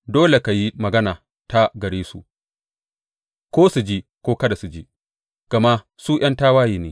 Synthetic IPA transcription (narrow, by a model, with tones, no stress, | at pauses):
doː˦le˨ka˨ji˦mɐ˨ɡɐ˦naː˨ | ta˦ɡɐ˨ɽeː˦sṵ˨ | kʷoː˦su˨d͡ʒiː˦kʷoː˦kɐ˦da˨su˨d͡ʒeː˦ | ɡ̥ɐ˨ma˦ʔ | suː˦ʔɐ˦ntaː˦waː˦jiː˨neː˨˦